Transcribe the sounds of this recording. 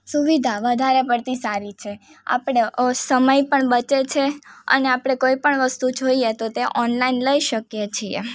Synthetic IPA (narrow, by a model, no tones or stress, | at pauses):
suʋid̪ʱaʋəd̪ʱaɾepəɾt̪isaɾit͡ʃʰe | a̰pɽ̃esəməjpəɳbət͡ʃet͡ʃʰeə̰neapɽ̃ekoipəɳʋəst̪ud͡ʒoiet̪ot̪eʔɔnlainləiʃəkjet͡ʃʰiḛ